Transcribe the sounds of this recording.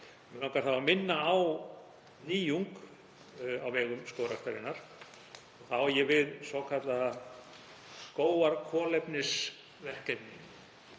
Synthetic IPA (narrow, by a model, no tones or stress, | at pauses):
lawkaɾ̥θavamɪnːaːw | niːjuŋk | awvɛːɣʏmskoːwɾast̪aɾɪnːaɾ̥ | ɔɣθawjɛvɪðsvɔkʰat̪la | koːwaɾkʰɔːlɛpnɪs | vɛr̥cɛp̪niŋ